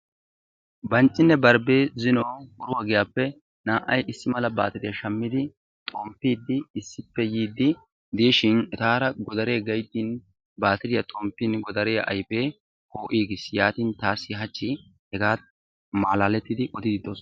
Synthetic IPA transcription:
bɐnt͡ʃʼːɪnːɛbɐɾbeːzɪnoːʊɾʊwɐɡɪjaːpːɛ | naːʔɐjʔɪsːɪmɐlɐba̰ːt̪ɪd̪ɪjɐʃɐmːɪd̪ɪ | t̪ʼoːmpːiːd̪ːɪːsːɪpːɛjiːd̪ːɪ | d̪eːʃɪnɛt̪aːɾɐɡɔd̪ɐɾe̞ːɡɐjt̪ːiːn | baːt̪ɪɾɪjɐt̪ʼoːmpːinɡɔd̪ɐɾeːʔɐ̰jpeː | koːʔiːɡɪsjaːt̪iːnt̪aːsɪɦɐt͡ʃːi | hɛɡaː | maːlaːlɛt̪ːɪd̪ɪʔɔd̪ɪd̪ɪd̪oːs

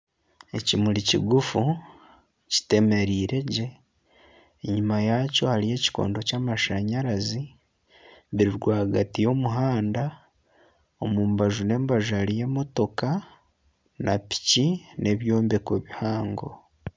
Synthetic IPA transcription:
e̞cimuɾicḭɡufu | ci̥te̞me̞ɾiːɾe̞ɟe̞ | ɲumajaco̞haɾije̞ːci̥ko̞̰ːndo̞caːmaʃaɲaɾazi | βiɾiɾɡwaːɡatijo̞muɦaːnda | o̞mumbaʒune̞ːmbaʒuhaɾije̞ːmo̞to̞ka | napi̥cinʔe̞βjo̞ːmbe̞kwe̞βihaːŋɡo̞̰

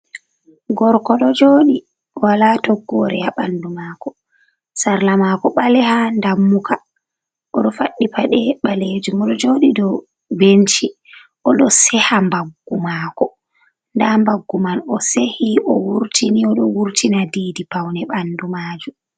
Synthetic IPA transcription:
ɡɔɾkɔɗɔd͡ʒoːɗi | walatɔɡːɔɾɛaɓandumaːkɔ | saɾlamakɔɓalɛhandamːukʰa | ʔɔɗɔfaɗːipaɗɛɓaled͡ʒumɔɗɔd͡ʒoɗidɔ | bent͡ʃi | ʔɔɗɔsɛhambaɡːumaːkɔ | ndambaɡːumanɔsehiɔwuɾtʰiniɔɗɔwuɾtʰinadidipawnɛɓandumaːd͡ʒum

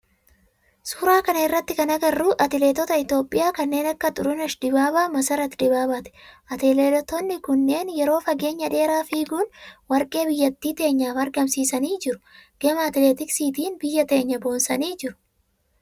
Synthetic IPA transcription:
suːɾaːkɐnɐɪrːɐt̪ːɪkɐnɐɡɐrːuːʔɐt̪ɪleːt̪ɔt̪ɐɪt̪o̞ːpʼːɪjaːkɐnːe̞ːnɐkːɐt̪ʼʊɾʊnɐʃd̪ɪbaːbaːmɐsɐɾɐt̪ɪd̪ɪbaːbaːt̪ɛ̥ʔɐt̪eːleːlt̪ːɔnːɪkʊnːe̞ːnjɛɾo̞ːfɐɡe̞ːɲːɐᶑe̞ːɾaːfiːɡuːnwɐɾkʼe̞ːbɪjːɐt̪ːiːt̪e̞ːɲːaːfɐɾɡɐmsiːsɐniːd͡ʒɪɾʊ̥ɡ̥ɛmaːt̪ɪleːt̪ɪksiːt̪iːnbɪjːɐt̪e̞ːɲːɐbo̞ːnsɐniːd͡ʒɪɾʊ̥

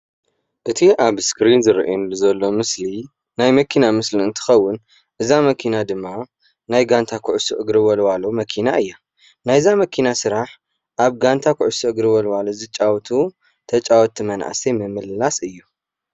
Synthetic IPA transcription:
ʔɨt̪ʰiʔaβskɾinzɨɾḭʔnlzɐlːo̞mɨsli | najmɐkʰinamɨsliɨnt̪ʰɨ̥xɐwːʊn | ʔɨzamɐkʰinad̪ɨmːa | najɡant̪ʰakʰʊʕʊsiʔɨɡɾɨwɐlwalomɐkʰinaɨjːa | najzamɐkʰinasɨɾaħ | ʔaβɡant̪ʰakʰʊʕʊsiɨɡɾɨwɐlwalozɨt͡ʃʼawt̪ʰu | t̪ʰɐt͡ʃʼawɔt̪ʰːimɐna̰ʕa̰semɨmɨlːasɨjːu

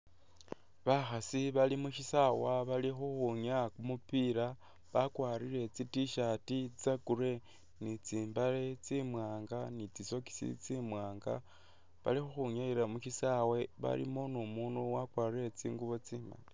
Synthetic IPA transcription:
βaxasiβalimuʃisawaβalixuxuɲakumupiɾa | βakwaːriɾe̞t͡sitiʃatit͡sakure̞ | nit͡siːmbaɾet͡simwaːŋɡanit͡siso̞ki̥sḭt͡simwaːŋɡa̰ | βa̰lixuxuɲaiɾamuʃisawe̞βa̰lḭmonumuːnuwakwaːriɾe̞t͡siːŋɡuβo̞t͡siːmba̰le

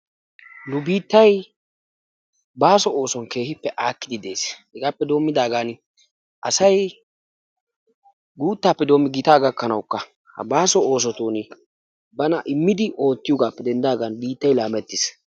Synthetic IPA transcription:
nʊbiːt̪ːɐj | baːsɔo̞ːsɔnke̞ːhɪpːɛʔaːkːɪd̪ɪd̪e̞ːshɛɡaːpːɛd̪o̞ːmːɪd̪aːɡan | ʔɐsɐj | ɡuːt̪ːaːpːɛd̪o̞ːmːɪɡɪt̪aːɡɐkːɐnɐwkːɐ | hɐ̰baːsɔo̞ːs̬ɔt̪uːn | bɐnɐʔɪmːɪd̪ɪʔo̞ːt̪ːɪjɔɡaːpːɛd̪ɛnd̪aːɡanbiːt̪ːɐjlaːmɛt̪ːɪs

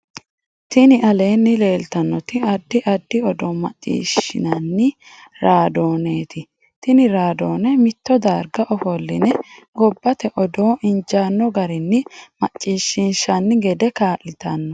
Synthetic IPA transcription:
t̪ɪnɪʔɐle̞ːnːɪle̞ːlt̪ɐnːɔt̪ɪɐd̪ːɪʔɐd̪ːɪɔd̪ɔmɐ̰t͡ʃʼːḭːʃɪ̰nɐnːɪ | ɾaːd̪oːneːt̪ɪ | t̪ɪnɪɾaːd̪oːnɛmɪt̪ːɔd̪aːɾɡɐʔɔfɔlːɪ̰nɛɡɔbːɐt̪ɛʔɔd̪oːɪnd͡ʒaːnːɔɡɐɾɪnːɪmɐt͡ʃʼːiːʃːɪnʃɐnːɪɡɛd̪ɛkaːlɪt̪ɐnːɔ

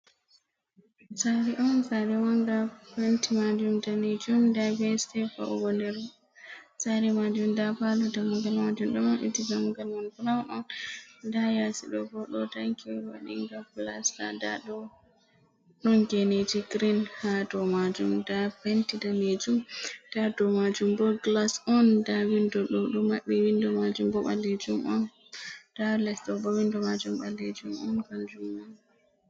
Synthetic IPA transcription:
saɾiʔɔnsaɾɛwaŋɡapentimad͡ʒumdaned͡ʒumdabɛstɛfa̰ʔɔɡɔndɛɾ | saɾɛmad͡ʒumdapadɔdamuɡalmad͡ʒumɗɔmɔnʔḭtiɡamuɡalmanfɾawʔɔndajasiɗɔɡɔɗɔtaŋkʰiwa̰ɗḭŋɡapla̰sta̰da̰ɗɔ | ɗɔnɡened͡ʒiɡɾinhadɔmad͡ʒumdapentidaned͡ʒumd̥adɔmad͡ʒumbɔɡlasɔndawindɔɗɔɗumaɓːɛwindɔmad͡ʒumbɔɓaled͡ʒumʔɔn | d̥alɛsɗɔbɔwindɔmad͡ʒumɓalːed͡ʒumɔnɡald͡ʒumɔn

